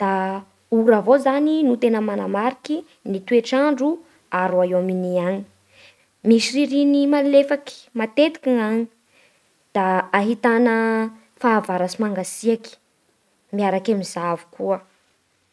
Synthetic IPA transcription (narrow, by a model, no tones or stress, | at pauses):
d̪̥a | uɾavozaninut̪enəmanamaɾiki | nit̪ueʈ͡ʂaɳɖ͡ʐu | aɾuaewaminiaɲi̥ | miʃiɾiɾinimallefaki̥mat̪et̪i̥kiŋaɲi | d̪̥aːɦit̪anə | faːvaɾasimaŋɡasiaki̥ | miaɾakamizavu̥kuə